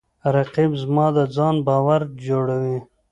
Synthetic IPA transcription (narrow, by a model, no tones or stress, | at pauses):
ɾaqibzmɑd̪əd͡zɑnbɑwaɾd͡ʒoɽawi